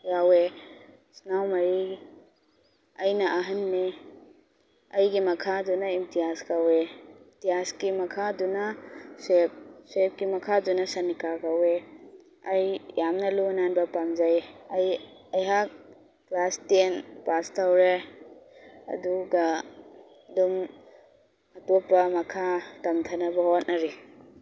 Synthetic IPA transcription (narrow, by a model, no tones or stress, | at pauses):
ɡawe | snawmɐɾi | ɐjnɐʔɐɦɐnːe | ɐjɡimɐkʰadunɐimtijaskawetijaskimɐkʰadunɐsep̚sep̚kimɐkʰadunɐsɐnikakawe | ɐjjamnɐlunanbɐpamzajɐj | ɐjɦak̚ | plastenpastawɾe | ɐ̰duɡɐ | dum | ɐtopːɐmɐkʰatɐmtʰɐnɐbɐhot̚nɐɾe